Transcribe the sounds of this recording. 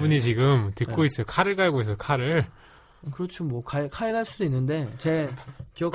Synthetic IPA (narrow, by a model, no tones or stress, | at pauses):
buɲit͡ɕiɡɯmtɯk̚k͈ois͈ʌskʰaɾɯɭkaɭɡoɦesʰʌkʰaɾɯɭ | kɯɾʌt͡ɕʰomwʌkaɭkʰaɭɡaɭs͈udoinːɯnde̞t͡ɕe̞kijʌk